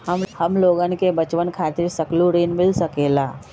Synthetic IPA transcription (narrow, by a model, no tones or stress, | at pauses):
həmloːɡənkebət͡ʃwənkʰaːt̪ɪɾsɐkluɾinmɪlsəkeːlaː